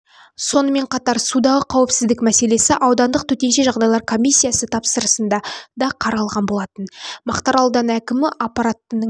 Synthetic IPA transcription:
so̞nəme̞ɴqʰɑt̪ɑɾsud̪ɑʁəqʰɑwɪpsɪzd̪ɪkmæse̞le̞sɪʔɑwd̪ɑnd̪əq̚t̪ʰɵt̪e̞nʃeʒɑʁd̪ɑjlˠɑɾkʰo̞mʲijsʲːijasət̪ʰɑpsəɾəsənd̪ɑd̪ɑqʰɑɾɑlˠʁɑnbo̞lˠɑt̪ənmɑqt̪ɑɾɑlˠd̪ɑnækʲɪmɪʔapːɑɾat̪ːənə

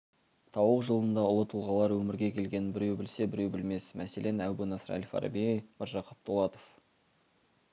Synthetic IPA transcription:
t̪ʰɑwəqʒəlˠənd̪ɑʊlˠət̪ʰəlˠʁɑlˠɑɾwɵmɪɾɡʲe̞kʲʰe̞lɡʲe̞nbɪɾe̞wbɪlse̞bɪɾe̞wbɪlme̞smʔæse̞lʔe̞næwbunɑsəɾæ̰lifɑ̰ɾɑ̰bijməɾʒɑqʰə̥p̚t̪ʰolˠɑt̪o̥f

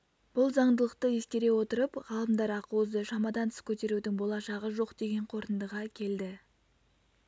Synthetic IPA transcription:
b̥ʊlˠzɑɴd̪əlˠəq̚t̪əje̞skʲe̞ɾe̞wo̞t̪əɾəpʁɑlˠəmd̪ɑɾɑquwəzd̪əʃɑmɑd̪ɑnt̪ʰɪ̥skʲʰɵt̪e̞ɾud̪ɪŋbo̞lˠɑʃɑʁəʒo̞qd̪e̞ɡʲe̞ɴqʰo̞ɾt̪ənd̪əʁɑkʲʰe̞ld̪ɪ

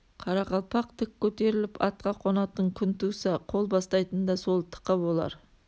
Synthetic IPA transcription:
qʰɑɾɑqɑlˠpɑqt̪ʰɪkʲʰːɵt̪e̞ɾɪlɪpɑt̪̚qɑqʰonɑt̪əɴkʲʰʏnt̪usɑqʰo̞lˠbɑst̪ɑjt̪ənd̪ɑso̞lˠt̪ʰə̥qːɑbo̞lˠɑ̰ɾ

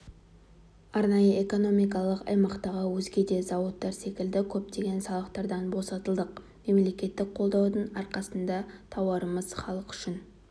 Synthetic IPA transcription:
ɑɾnɑjəeko̞no̞mijk̬ɑlˠəqɑ̰jmɑqt̪ɑʁəwɵzɡʲe̞d̪e̞zɑwət̪ːɑɾse̞kʲɪld̪ɪkʲʰɵp̚t̪e̞ɡʲe̞nsɑlˠəqt̪ɑɾd̪ɑnbo̞sɑt̪əlˠd̪əq | me̞mle̞kʲe̞t̪ːɪk̚qʰo̞lˠd̪ɑwd̪əɴɑɾqɑsənd̪ɑt̪ʰɑwɑɾəməzχɑlˠəqʏ̥ʃɪn

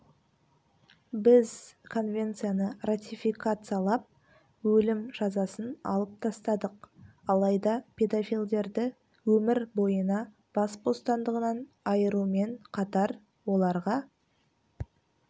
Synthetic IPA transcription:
bɪzkʰo̞nvʲe̞nt̪sɨjanərat̪ʲifikat̪sɨjalˠɑp̚ | wɵlɪmʒɑzɑsənɑ̰lˠəp̚t̪ʰɑst̪ɑd̪əqɑlˠɑjd̪ɑpʲʰe̞d̪ofʲijlʲd̪e̞ɾd̪ɪ | wɵmɪɾbo̞jənɑ | b̥ɑsbo̞st̪ɑnd̪əʁənɑn | ɑjəɾume̞ɴqʰɑt̪ɑɾ | wo̞lˠɑɾʁɑ

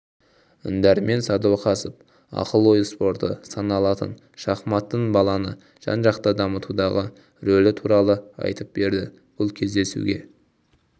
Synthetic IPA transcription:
ʏ̰nd̪æɾme̞nsɑd̪uwqʰɑsəp̚ | ɑ̰qəlˠo̞jspo̞ɾt̪əsɑnɑlˠɑt̪ə̰n | ʃɑχmɑt̪ːəɴbɑlˠɑnə | ʒ̥ɑ̰nʒɑqt̪əd̪ɑmət̪ud̪ɑʁə | ɾolɪt̪ʰuɾɑlˠəɑ̰jt̪əp̚be̞ɾd̪ɪ | b̥ʊlˠkʲʰe̞zd̪e̞sṵɡʲe̞̰

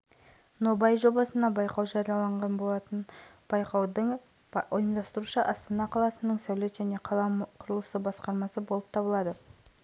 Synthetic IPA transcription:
no̞bɑjʒo̞bɑsənɑbɑjqɑwʒɑɾijɑlˠɑɴʁɑnbo̞lˠɑt̪ən | b̥ɑjqɑwd̪əɴ | ojənd̪ɑst̪əɾuʃəʔɑst̪ɑnɑqʰɑlˠɑsənəɴsæwlet̪ʒæne̞qʰɑlˠɑmqʰʊɾəlˠəsəbɑsqɑɾmɑsəbo̞lˠəp̚t̪ʰɑbəlˠɑd̪ə

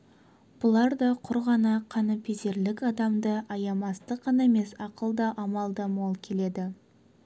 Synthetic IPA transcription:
b̥ʊlˠɑɾd̪ɑqʰʊɾʁɑnɑqʰɑnəpʰeze̞ɾlɪkɑd̪ɑmd̪əɑjɑmɑst̪əqːɑnɑeme̞sɑqəlˠd̪ɑʔɑmɑlˠd̪əmolˠkʲʰe̞le̞d̪ɪ

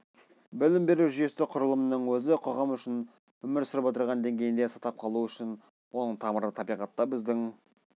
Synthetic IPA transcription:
bɪlɪmbe̞ɾuʒʏje̞sɪqʰʊɾəlˠəmənəɴwɵzɪqʰoʁɑmʏʃɪn | wɵmɪɾsʏɾɪpwo̞t̪əɾʁɑnd̪e̞ŋɡʲe̞jɪnd̪esɑt̪ɑp̚qʰɑlˠuəʏʃɪn | wʔo̞nəɴt̪ʰɑməɾlˠət̪ʰɑbijʁɑt̪ːɑbɪzd̪ɪŋ

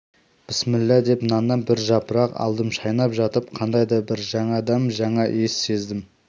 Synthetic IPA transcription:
b̥ɪsmɪlːæd̪e̞pnɑnɑbɪɾʒɑpəɾɑqɑ̰lˠd̪əmʃɑjnɑpʒɑt̪əp̚qʰɑnd̪ɑjd̪ɑbɪɾʒɑɴɑd̪ɑmʒɑɴɑʔesːe̞zd̪ɪm

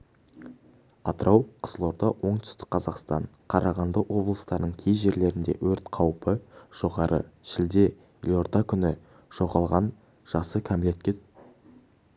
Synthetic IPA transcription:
ɑt̪əɾʔɑwqʰə̥zəlˠo̞ɾd̪ɑwo̞ɴt̪ʰʏ̥st̪ɪ̥k̚ʲqʰɑzɑqst̪ɑɴ | qʰɑɾʔɑʁɑnd̪əwo̞blˠəst̪ɑɾd̪əɴkʲʰejʒe̞ɾle̞ɾɪnd̪e̞̰wɵɾt̪qʰɑwpəʒ̥o̞ʁɑɾʔə̰ʃɪld̪e̞ | lʲoɾd̪ɑkʲʰʏnɪ | ʒ̥o̞ʁɑlˠʁɑn | ʒ̥ɑsəkʲʰæmle̞t̪̚kʲet̪

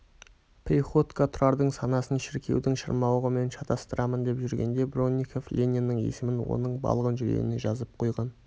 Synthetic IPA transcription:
p̪ʰʲiχo̞t̪kat̪ʰʊɾɑɾd̪əɴsɑnɑsənʃɪɾkʲe̞̰wd̪ɪŋʃə̰ɾmɑwəʁəme̞nʃɑt̪ʰɑst̪əɾɑmənd̪e̞pʒʏɾɡʲe̞nd̪e̞bro̞nʲːikʰoflʲenʲinːəŋe̞̰sɪmɪnwo̞̰nəɴbɑ̰lˠəʁənʒʏɾḛneʒɑzəp̚qʰo̞jʁɑn

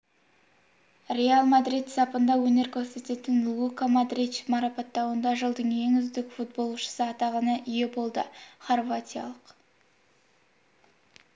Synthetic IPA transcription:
rʲe̞alˠmad̪ɾijt̪z̥ɑpənd̪ɑwɵne̞ɾkʲʰɵɾse̞t̪e̞t̪ɪnlˠukamad̪ritt͡ʃmɑɾɑpɑt̪ːɑwənd̪ɑʒəlˠd̪əɴje̞ŋʏzd̪ɪkfut̪̚bo̞lˠʃə̥səɑt̪ɑʁɑnəʔʏje̞bo̞lˠd̪əχorvat̪ʲijɑ̰lˠəq

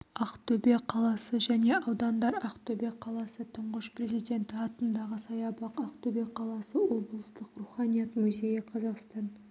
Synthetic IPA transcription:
ɑqt̪ɵbe̞qʰɑlˠɑsəʒæne̞ʔɑwd̪ɑnd̪ɑɾɑqt̪ʰɵbe̞qʰɑlˠɑsət̪ʰʊɴʁəʃpre̞zijd̪ʲe̞nt̪ɪɑt̪ənd̪ɑʁəsɑjɑbɑqɑqt̪ʰɵbe̞qʰːɑlˠɑsəwo̞bəlˠəst̪əqruχɑnʲijɑt̪muzʲe̞jəqʰɑzɑqst̪ɑn

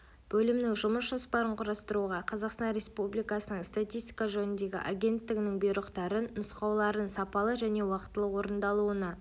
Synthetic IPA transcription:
b̥ɵlɪmnɪŋʒʊməsʒospɑɾəɴqʰʊɾɑst̪əɾuʁɑqʰɑzɑqst̪ɑnɾe̞spublijkɑsənəɴst̪at̪ʲijst̪ʲi̥kaʒɵnɪnd̪e̞ɡʲɪ̰ʔaɡʲe̞nt̪ːɪɡʲɪnɪŋbijɾəqt̪ɑɾənnʊsqɑwlˠɑɾənsɑpɑlˠəʒæne̞wɑqə̥t̪ːəlˠəqwo̞ɾənd̪ɑlˠuənɑ

